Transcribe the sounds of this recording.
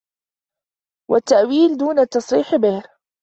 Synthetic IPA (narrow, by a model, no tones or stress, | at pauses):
wat̪ːaʔwiːld̪uːnat̪ːɑsˤɾiːħbeːɾ